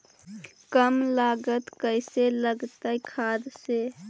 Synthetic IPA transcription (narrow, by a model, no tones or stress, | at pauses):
kəmlaːɡət̪kəɪseləɡt̪aikʰad̪se